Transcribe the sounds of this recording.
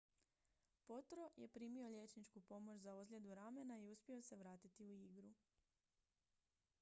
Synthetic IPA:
po̞t̪ɾo̞je̞pɾiːmio̞ʎʲe̞t͡ʃnit͡ʃkupo̞mo̞t͡ʃzaozlʎʲe̞d̪uɾame̞naiuspʲjio̞se̞ʋɾaːt̪it̪iuiɡɾu

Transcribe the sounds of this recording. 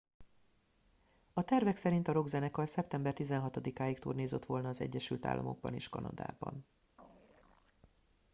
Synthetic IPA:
ɒt̪ɛrvɛksɛɾint̪ɒɾo̞ɡzɛnɛkɒlsɛp̚t̪ɛmbɛrt̪izɛnɦɒt̪o̞d̪ikaːjikt̪ṵːrneːzøt̪ʋo̞lnɒːzɛ̰ɟːɛʃylt̪a̰ːlːʔɒ̰mo̞̰ɡ̚bɒ̰neːʃkɒnɒ̰d̪a̰ːbɒ̰n

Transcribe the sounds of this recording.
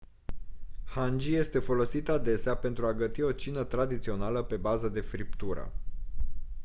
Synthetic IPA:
hand͡ʒije̞st̪e̞fo̞lo̞sit̪ad̪e̞seape̞nt̪ɾuaɡət̪io̞t͡ʃinət̪ɾad̪it̪sio̞naləpe̞bazəd̪e̞fɾip̚t̪uɾə̰

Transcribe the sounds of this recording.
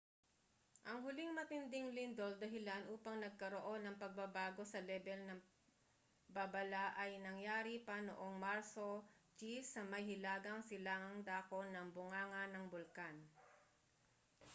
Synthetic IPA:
ʔɐŋɦʊlɪŋmɐt̪ɪnd̪ɪŋlɪnd̪o̞ld̪ɐɦɪlanʔuːpɐŋnɐɡ̚kɐɾoʔo̞nɐŋpɐɡ̚bɐbaːɡo̞sɐlɛbɛlnɐŋ | bɐbɐlaʔɐjnɐŋjaːɾipɐno̰ʔo̞ŋmaɾso̞t͡ʃisɐmɐjhɪlaːɡɐŋsɪlaːŋɐŋd̪aːko̞nɐŋbʊŋaːŋɐnɐŋbʊlkan

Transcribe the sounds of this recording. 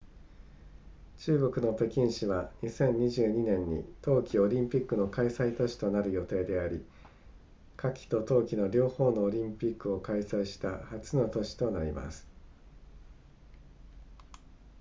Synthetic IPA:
t͡ɕɨːɡo̞kɯ̟no̞p̪e̞kʲĩɰ̃ɕiβaɲisẽ̞ɲ̟ːiʑɨːɲ̟inẽ̞ɲ̟ːḭt̪o̞ːkʲio̞ɾʲĩmpʲikːɯ̟no̞kaisait̪o̞ɕi̥t̪o̞naɾɯ̟jo̞t̪e̞ːd̪e̞aɾʲḭ | kʰakʲi̥t̪o̞t̪o̞ːkʲino̞ɾʲo̞ːho̞ːno̞ːɾʲĩmpʲikːɯ̟o̞kaisaiɕi̥t̪ahat͡sɨno̞t̪o̞ɕi̥t̪o̞naɾʲḭma̰sɨ̥

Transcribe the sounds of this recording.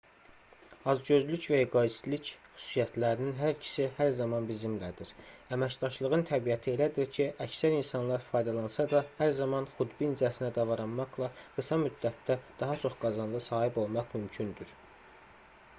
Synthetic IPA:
ɑzɟø̞zlycvæjiɡɑist̪licχy̥su̥sijæt̪ʰlæɾininɦæɾcʰi̥sihæɾzɑmɑnbizimlæd̪iɾæmæcd̪ɑʃlˠɯʁɯnt̪ʰæbijæt̪ʰie̞læd̪iɾcʰiʔæcsæɾinsɑnlˠɑɾfɑːjd̪ɑlˠɑnsɑd̪ɑhæɾzɑmɑnχud̪binid͡ʒæsinæd̪ɑvɑɾɑnmɑχlˠɑɡ̥ɯsɑmyd̪ːæt̪ːæd̪̥ɑɦɑt͡ʃʰo̞χɡɑzɑnd̪ɑsɑːhibo̞lˠmɑχmymcʰynd̪yɾ

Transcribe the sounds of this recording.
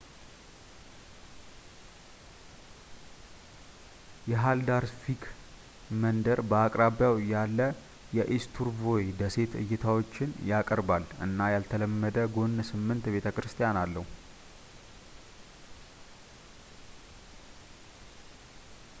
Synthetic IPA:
jɛɦald̪aɾfikʰ | mənd̪əɾbəakʼɾaβjawjalːə | jɛʔist̪ʰuɾvo̞jd̪əse̞t̪ʰɨ̰jːɪt̪ʰawo̞t͡ʃːɪnjakʼəɾbalʔɨ̰nːajalt̪ʰələmːəd̪əɡo̞nːsɨmːɨnt̪be̞t̪ʰəkɾɨst̪ʰijanalːəhu

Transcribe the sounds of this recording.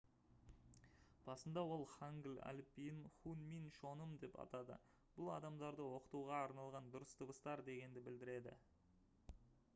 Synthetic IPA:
b̥ɑsənd̪ɑwo̞lˠχaŋɡʲlæ̰lpijɪnχunminʃo̞nəmd̪e̞pɑ̰t̪ɑd̪ə̰ | b̥ʊlˠɑ̰d̪ɑmd̪ɑɾd̪əwo̞qə̥t̪uʁɑːɾnɑlˠʁɑnd̪ʊɾəst̪ʰəbəst̪ɑɾd̪e̞ɡʲe̞nd̪ɪbɪld̪ɪɾe̞d̪ɪ̰

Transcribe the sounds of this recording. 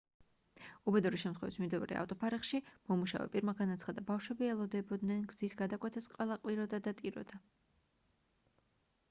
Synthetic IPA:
ubɛd̪uɾiʃɛmt̪ʰχwɛvismimd̪ɛv̰ɾɛ̰a̰ft̪ʼɔpʰaɾɛχʃimɔmuʃa̰vɛ̰pʼiɾmaɡanat̪sʰχad̪abafʃwɛbiɛlˠɔd̪ɛbɔd̪nɛnɡzisɡad̪akʼwɛt̪ʰɛsqʼwɛlˠaqʼwiɾɔd̪ad̪at̪ʼiɾɔ̰d̪̥a

